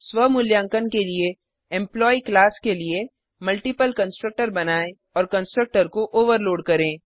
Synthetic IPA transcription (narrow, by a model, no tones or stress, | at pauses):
swəmʊljãːŋkənkelie | ɛ̃mplɔːiklaːskelie | mɐlʈipəlkɐ̃nsʈɾək̚ʈəɾbɐnaːe | ɔːɾkɐ̃nsʈɾək̚ʈəɾkoʔoːʋəɾloːɖkɐɾẽː